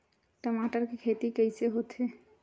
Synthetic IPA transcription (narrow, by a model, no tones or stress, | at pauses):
ʈəmaʈəɾkekʰet̪ikəjseɦot̪ʰe